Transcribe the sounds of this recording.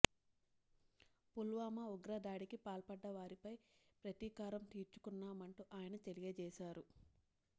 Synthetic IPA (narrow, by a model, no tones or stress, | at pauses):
pulʋaːmɐuɡɾɐd̪aːɽikipaːlpɐɖːɐʋaːɾipɐjpɾɐt̪iːkaːɾɐmt̪iːɾt͡ʃu̥kunːaːmɐɳʈuʔaːjɐnɐt̪elijed͡ʒɛːʃaːɾu